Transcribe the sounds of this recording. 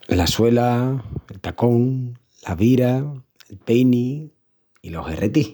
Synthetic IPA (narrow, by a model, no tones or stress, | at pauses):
laswe̞laelt̪akoŋ | laβiɾaelpejni | ilo̞ɦḛrʔet̪ih